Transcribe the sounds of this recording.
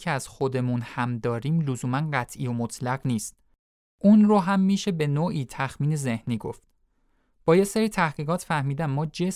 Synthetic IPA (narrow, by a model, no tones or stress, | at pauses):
eæz̥xod̪e̞munhæmd̪ɒːɾiːmlozuːmænɢæt̪ʰʔiːo̞mot̪ʰlæɣniːst̪̚ | ʔunroɦæmːiːʃe̞be̞noːʔiːt̪ʰæxmiːne̞ze̞hniːɡoft̪̚ | b̥ɒːjeseɾiːt̪ʰæhɡ̥iːɣɒːt̪ʰfæhmiːd̪æmːɒːd͡ʒe